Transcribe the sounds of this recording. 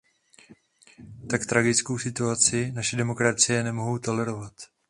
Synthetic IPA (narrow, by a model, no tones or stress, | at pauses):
t̪akt̪ɾaɡɪt͡sko̞wsɪt̪uat͡sɪnaʃɛdɛmo̞kɾat͡sɪjɛnɛmo̞ɦo̞wt̪o̞lɛɾo̞vat̪